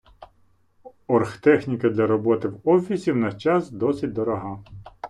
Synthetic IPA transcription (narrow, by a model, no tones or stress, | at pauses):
ɔrxt̪ɛxnʲikɐd̪lʲɐɾɔbɔt̪ɪwɔfʲisʲiwnɐt͡ʃɑsd̪ɔsʲit̚ʲd̪ɔɾɔɦɑ